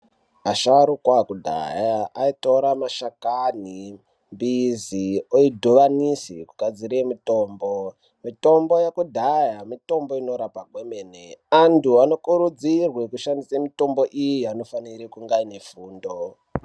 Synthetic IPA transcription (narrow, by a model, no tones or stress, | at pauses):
aʃaɾukwakudʱa̰jaaito̞ɾamaʃakani | mbizioidʱoʋanisḭkuɡʱad͡ziɾemito̞ːmbo | mito̞mbo̞jekudʱajamito̞mbo̞ino̞ɾapakwemeneantuano̞kuɾud͡zirwekuʃandisemito̞mbo̞ʔijijano̞faniɾikuŋɡaine̞fuːndo